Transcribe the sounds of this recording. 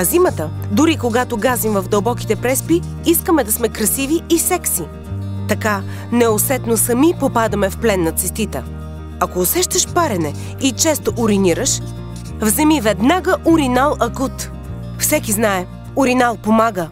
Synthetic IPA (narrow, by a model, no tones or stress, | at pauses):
zimət̪əd̪ʊɾikoɡat̪oɡazimvɐvd̪ɐlˠbɔki̥t̪ɛpɾɛspi | iskəmɛd̪ɐsmɛkɾɐsiviːsɛksi | t̪ɐka | nɛosɛt̪nosɐmipopad̪əmɛfplɛnːɐt̪sɛst̪it̪ə | ɐkoːsɛʃt̪əʃpaɾɛnɛ | it͡ʃɛst̪oʔʊɾiniɾəʃ | vzɛmivɛd̪naɡəʔʊɾinalˠɐkut̪ | fsɛkiznaɛ | ʊɾinalˠpomaɡə